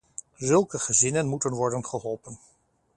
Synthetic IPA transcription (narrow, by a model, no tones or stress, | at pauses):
zɵlˠkəχəzɪnənmutənʋɔɹdənχəɦɔlˠpən